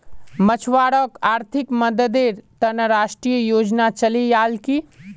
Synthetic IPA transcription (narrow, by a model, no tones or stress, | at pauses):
mət͡ʃʰwaɽəkaːɾt̪ʰikməd̪əd̪eɾt̪ənəɾaʃʈɾijəjod͡ʒnat͡ʃəlijalki